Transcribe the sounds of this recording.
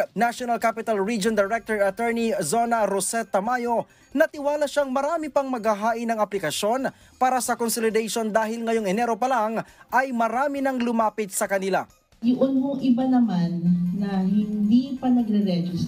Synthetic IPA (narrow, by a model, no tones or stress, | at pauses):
naʃonɐlkapɪt̪ɐlɹid͡ʒond̪ɛɾɛk̚t̪oɹɐt̪ɛɹnizonɐɾosɛt̪ːɐmaːjo̞ | nɐt̪ɪwaːlɐʃaŋmɐɾaːmɪpɐŋmɐɡhɐɦaːʔɪnɐŋɐplɪkɐʃo̞n | paːɾɐsɐkonsolɪd̪ɛjʃo̞nd̪aːhɪlŋɐjo̞ŋɛnɛɾo̞pɐlaŋʔɐjmɐɾaːmɪnɐŋlʊmaːpɪt̪̚sɐkɐnɪla̰ | jʊʔʊnmoʔɪbanɐmanːɐɦɪnd̪ipɐnɐɡɾɛɾɛd͡ʒɪs